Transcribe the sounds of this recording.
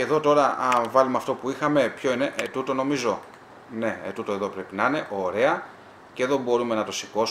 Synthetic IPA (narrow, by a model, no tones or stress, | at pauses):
eðo̞t̪o̞ɾɐvɐlumeɐft̪o̞puixɐme̞pço̞ine̞ʔet̪ut̪o̞no̞mizo̞ | ne̞et̪ut̪o̞e̞ðo̞pɾe̞pinɐine̞ʔoɾe̞ɐ | ceðo̞bo̞ɾume̞nɐt̪o̞siko̞s